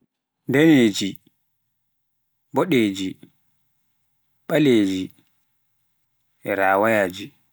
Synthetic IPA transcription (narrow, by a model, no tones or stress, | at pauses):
dɛneːd͡ʒi | bɔɗeːd͡ʒi | ɓaleːd͡ʒi | ʔɛɾaːwajaːd͡ʒi